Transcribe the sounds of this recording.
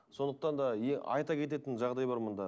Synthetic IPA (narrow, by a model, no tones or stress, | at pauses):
so̞nd̪əq̚t̪ɑnd̪ɑjeɑ̰jt̪ɑkʲʰe̞t̪e̞t̪ɪnʒɑʁd̪ɑjbɑɾmənd̪ɑ